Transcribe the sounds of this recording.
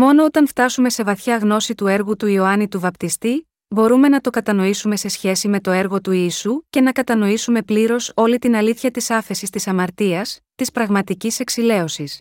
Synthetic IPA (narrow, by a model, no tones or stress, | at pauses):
mo̞no̞ot̪ɐnft̪ɐsume̞se̞vɐθçɐɣno̞sit̪ue̞ɾɣut̪uio̞ɐnit̪uvɐpt̪ist̪i | bo̞ɾume̞nɐt̪o̞kɐt̪ɐno̞isume̞se̞sçe̞sime̞t̪o̞e̞ɾɣo̞t̪uisuce̞nɐkɐt̪ɐno̞isume̞pliɾo̞so̞lit̪inɐliθçɐt̪isɐfe̞sist̪isɐmɐɾt̪iɐst̪ispɾɐɣmɐt̪icise̞ksile̞o̞sis